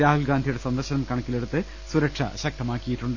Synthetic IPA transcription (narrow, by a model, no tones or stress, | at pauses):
ɾaːhulɡaːnd̪ʱijuɽe̞sɐnd̪ɐrɕɐnɐmkɐɳɐkːile̞ɽut̪ːɨ | suɾɐʈʂɐ̰ɕɐk̚t̪ɐmaːkːijiʈːuɳɖɨ